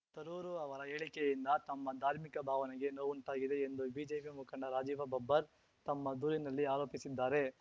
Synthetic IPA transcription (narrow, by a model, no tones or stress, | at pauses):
t̪ɐɾuːɾuɐʋɐɾɐeːɭikɛjind̪ɐt̪ɐmːɐd̪ʱaːɾmikɐbʱaːʋɐnɛɡe̞noːʋuɳʈ̪aːɡid̪e̞ːnd̪ubiːd͡ʒeːpimukʰɐɳɖɐɾaːd͡ʒiːʋɐbɐbːɐɾ | t̪ɐmːɐd̪uːɾinɐlːiaːloːpisid̪ːaːɾe̞